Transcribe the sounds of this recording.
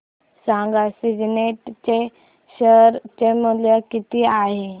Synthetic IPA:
sãŋɡasid͡ʑneʈt͡ɕe | ɕəɾt͡ɕemuljəkit̪iaɦe

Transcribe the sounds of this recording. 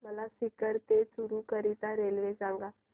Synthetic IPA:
məlasɪkəɾt̪esʊɾukəɾit̪ãɾeːlʋed͡ʒãːŋɡaː

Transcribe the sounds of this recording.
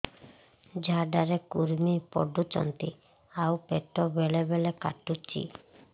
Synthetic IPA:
d͡ʒʱaɖaɾekuɾmipɔ̰ɖut̪ɔ̰nt̪i | awpeʈɔbelebeleka̰ʈut͡ʃḭ

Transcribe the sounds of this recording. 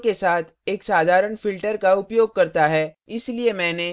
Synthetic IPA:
kesaːt̪ʰeːksaːd̪ʱaːɾəɽ̃fɪlʈəɾkaʊpjoːɡ̚kɐɾt̪aɦɛ | ɪsliemɛ̃ːne

